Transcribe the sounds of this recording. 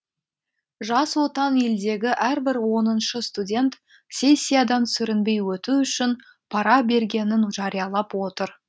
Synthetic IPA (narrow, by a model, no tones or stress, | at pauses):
ʒɑswo̞t̪ɑne̞ld̪e̞ɡʲɪʔæɾbɪɾwo̞nənʃəst̪udʲe̞nt̪ | sʲe̞sʲːijad̪ɑnsʏɾɪnbe̞jwɵt̪uʏʃɪn | pʰɑɾɑbe̞ɾɡʲe̞nɪnʒɑɾijɑlˠɑpwo̞t̪əɾ